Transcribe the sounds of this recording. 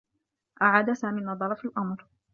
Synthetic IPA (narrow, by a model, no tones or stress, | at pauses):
ʔaʕaːd̪asaːmiːnɑd̪ˤɑɾˤɑfalʔɑmɾ